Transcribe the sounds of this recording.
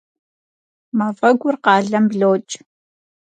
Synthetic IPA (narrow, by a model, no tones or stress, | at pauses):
mɐfɐɡʷʊrqɑːɮɐmbɮoːt͡ʃʼ